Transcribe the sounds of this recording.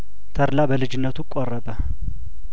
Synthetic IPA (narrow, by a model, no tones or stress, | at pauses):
t̪ʰəɾlabəlɨd͡ʒɪnːət̪ʰukʼɔrːəbə